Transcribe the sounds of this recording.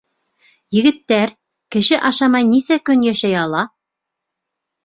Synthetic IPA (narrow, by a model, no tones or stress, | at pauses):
jɘ̆ɡɘ̆t̪ːæɾ | kɘ̆ʃɘʔɑʃɑmɑjnisækɵnjæʃæjɑlˠɑ